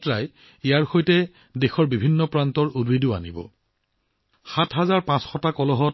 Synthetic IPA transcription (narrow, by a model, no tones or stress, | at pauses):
tɹaj | ijaɹxojtɛ | dexɔɹbibʱinːɔpɹantɔɹudwidʊa̰nḭbɔ̰ | xatɦazaɹpãsxɔtakɔlɔɦɔt